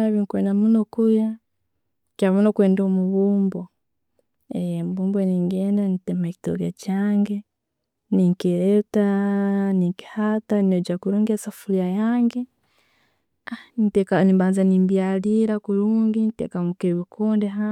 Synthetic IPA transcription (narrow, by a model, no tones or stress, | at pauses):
aβiŋkweːnamunokuja | kaβunokweːndomuβuːmbo | ejemuβuːmboeniŋɡeːndanitemaki̥to̰kacaːŋɡe | niŋkeɾetaniŋki̥hataniod͡ʒakuɾuːŋɡesafulijajaːŋɡe | anitekanibaːnzanimbjaliɾakuɾuːŋɡinitḛkamukeβikʰuːndeɦa